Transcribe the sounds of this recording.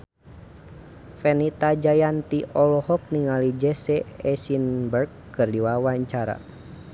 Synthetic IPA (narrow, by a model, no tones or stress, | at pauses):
fɛnit̪ad͡ʒajant̪iʔɔlɔhɔk̚niŋalid͡ʒɛsɛɛsinbərk | kɨrdiwawaɲt͡ʃaɾa̰